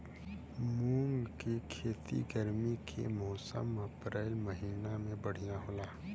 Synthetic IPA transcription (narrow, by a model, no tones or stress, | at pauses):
mũːŋɡkekʰeːt̪ḭɡəɾmikʰḛmɔːsə̰mɐpɾɛːlmɐɦiːnamẽbɐɽ̤ijãɦoːlaː